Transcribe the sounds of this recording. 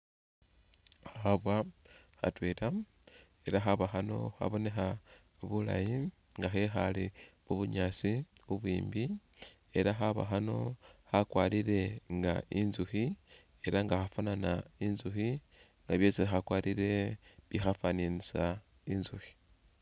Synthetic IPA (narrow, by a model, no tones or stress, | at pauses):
xxaβwaxa̰tweːɾa | e̞ɾaxaβaxano̞̰xa̰βo̞ne̞xa | βula̰ji | ŋɡaxexaliβwuβuɲat͡siuβwiːmbi | e̞ɾaxaβa̰xano̞̰xakwaliɾe̞ŋɡa̰ʔinzuxi | e̞ɾaŋɡaxafananainzuxi | ŋɡaβjo̞ːsixakwaːɾiɾe̞βixafaninisa | inzuxi̥